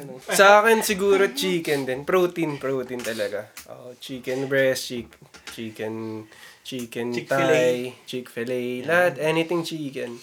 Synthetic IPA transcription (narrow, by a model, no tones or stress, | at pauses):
osɐʔaːkɛnsɪɡuːɾot͡ʃiːkɛnd̪ɛnpɾoːt̪inpɾoːt̪int̪ɐlɐɡaʔo̰ːʔt͡ʃiːkɛnbɹɛst͡ʃiːk̚t͡ʃiːkɛnt͡ʃiːkɛnt̪ajt͡ʃikfɛlɛjlɐhɐt̪ʔɛnɪt̪ɪŋt͡ʃiːkɛn